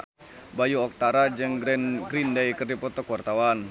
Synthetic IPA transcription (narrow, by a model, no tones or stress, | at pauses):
bajuɔk̚t̪aɾad͡ʒɨŋɡɾindɛjkərdipɔt̪ɔkuwart̪awan